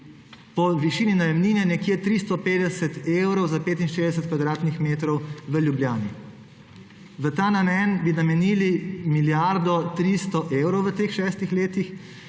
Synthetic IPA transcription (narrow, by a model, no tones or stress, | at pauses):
pɔʋiʃiːninajɛmniːnɛnɛkjet̪ɾist̪ɔpeːd̪ɛsɛt̪ewɾɔwzapeːt̪inʃeːzd̪ɛs̬ɛt̪kʋad̪ɾaːt̪nixmeːt̪ɾɔwʋəljubljaːni | ʋət̪aːnamɛːnbinamɛniːlimiljaɾd̪ɔt̪ɾist̪ɔʔeːwɾɔwʋət̪eːxʃɛːst̪ixleːt̪ix